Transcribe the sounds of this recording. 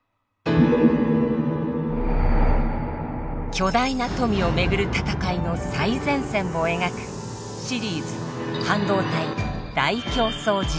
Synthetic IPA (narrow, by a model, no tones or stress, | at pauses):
kʲo̞d̪ainat̪o̞mʲio̞me̞ɡɯ̟ɾɯ̟t̪at̪akaino̞saizẽ̞ɰ̃sẽ̞mːo̞e̞ŋakɯ̟̥ | ɕiɾʲiːzɨ | hãnd̪o̞ːt̪ai | d̪̥aikʲo̞ːso̞ːd͡ʑi